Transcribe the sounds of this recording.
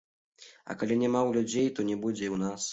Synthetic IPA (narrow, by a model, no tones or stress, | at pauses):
ɐ̰kalʲinʲɛmawlʲud͡zʲejt̪ɔnʲɛbud͡zʲɛiwnas